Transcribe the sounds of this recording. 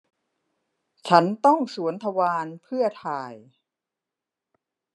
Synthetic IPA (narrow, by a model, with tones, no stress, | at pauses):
t͡ɕʰa˦˥nt̪ɔ˥˩ŋsu˩˦ənt̪ʰa˧waː˧npʰɯ˥˩ɐt̪ʰaː˧˩j